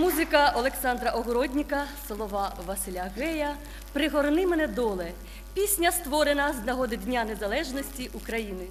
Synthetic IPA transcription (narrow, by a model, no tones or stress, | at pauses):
muzɪkɐɔlˠeksɑnd̪ɾɐʔɔɦɔɾɔdʲnʲɪkɐsɔlˠɔʋɑʋɐsɪlʲɐɣɛjɐ | pɾɪɦɔɾnɪmɛnɛd̪ɔlˠɛ | pʲisʲnʲɐst̪ʋɔɾenɐznɐɦɔd̪ɪd̪ʲnʲanezɐlˠɛʒnɔsʲtʲiʔukɾɐjinɪ